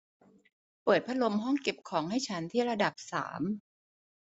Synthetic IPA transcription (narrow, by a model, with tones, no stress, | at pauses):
pɤː˨˩t̪̚pʰa˦˥lo˧mɦɔ˥˩ŋke˨˩p̚kʰɔː˩˦ŋha˥˩jt͡ɕʰa˦˥nt̪ʰiː˥˩ɾa˧da˨˩p̚sa̰ː˩˦m